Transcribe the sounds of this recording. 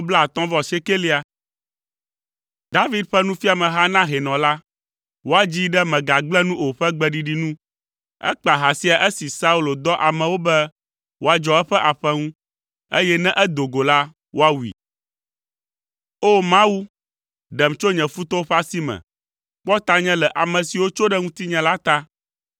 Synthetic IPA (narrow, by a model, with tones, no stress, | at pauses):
bla˦˨t̪ɔ̃˦vɔ˨se˦ke˦li˦a˨ | d̪a˦vi˦d̪ɸɛ˦nũ˦fi˦a˨mɛ̃˨ɦa˦nã˦ɦe˨nɔ̃˨la˦ | wo˦a˨d͡ʑi˦ɖɛ˦mɛ̃˨ɡa˨ɡ͡blɛ̃˦nũ˦o˨ɸɛ˦ɡ͡bɛ˦ɖi˨ɖi˦nũ˦ | ɛ̰˦k͡pa˨ɦa˨si˦a˨ʔe˦si˨sa˦u˦lo˨d̪ɔ˦ʔa˨mɛ̃˨wo˦bɛ˦ | wo˦a˨d͡ʒɔ˨ɛ˦ɸɛ˦ʔa˨ɸɛ˦ŋũ˦ | ḛ˦jɛ˦nɛ̃˦ʔɛ˦d̪o˨ɡo˨la˦ | wo˦a˦wu˨ḭ˨ | o˦mã˦wu˦ | ɖɛ˨mt͡ʃo˦ɲɛ̃˨fu˦t̪ɔ˦ɸa˦si˦mɛ̰̃˨ | k͡pɔ˦t̪a˦ɲɛ̃˦lɛ˨ʔa˨mɛ̃˨si˨wo˦t͡ʃo˦ɖɛ˦ŋũ˦t̪i˦ɲɛ̃˨la˦t̪a˦